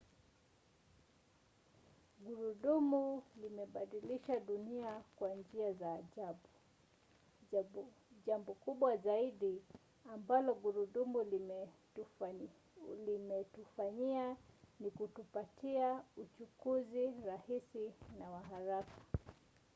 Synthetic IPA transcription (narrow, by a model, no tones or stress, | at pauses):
ɡuɾuɗumulimɛɓaɗiliʃaɗuniakwand͡ʒiazaːʄaɓu | ʄambɔkuɓwazaiɗi | ambalɔɡuɾuɗumul | limɛtufaɲianikutupatʰiaut͡ʃukuziɾahisinawaɦaɾakḁ